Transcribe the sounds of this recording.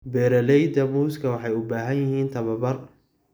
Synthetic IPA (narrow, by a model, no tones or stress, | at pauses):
bɛːɾɐlɛjd̪ɐmuːskʰɐwɑħɑjʊbaːɦɐnjɪhiːnt̪ʰɐβɐbɐr